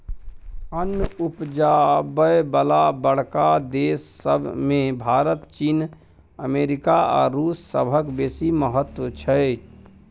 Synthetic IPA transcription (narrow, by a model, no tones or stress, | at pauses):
ənːupd͡ʒabəjbəlabəɽ̤kad̪eːsːə̰bʱmẽbʱaːɾət̪t͡ʃiːn | əmeːɾɪkaɔ̰ːɾɾuːsːə̰bʱəkbeːsiməɦət̪wət͡ʃʰɛ